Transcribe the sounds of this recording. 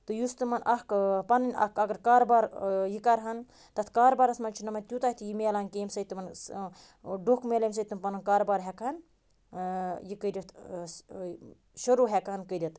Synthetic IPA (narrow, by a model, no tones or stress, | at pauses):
t̪ɨjust̪ɨmɐnʔɐhkpɐnɨnʲɐ̰kɐɡɐɾkaːɾbaːɾjikɐɾɦɐn | t̪ɐt̪ʰkaːɾbaːɾɐt̪mɐnt͡ʃʰinɐmɐnʲt̪ʲut̪ahʲit̪ʰjimeːlaːnkeːmsɐt̪mɐn | ɖokmelɐms̬ɐt̪ɨnpɐnɐnkaːɾbaːɾɦɛkɐn | jikəɾʲɐt̪ʰ | ʃɐɾuːɦɛkɦɐnkəɾʲit̪